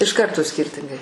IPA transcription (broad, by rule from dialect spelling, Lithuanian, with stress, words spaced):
ɪʃ ˈkɐrtoː ˈsʲkʲɪrʲtʲɪŋɡɐɪ